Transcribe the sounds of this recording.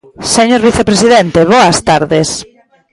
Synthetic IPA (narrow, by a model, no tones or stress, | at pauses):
seɲoɾβiθepɾesiðent̪eβɔɐst̪aɾðes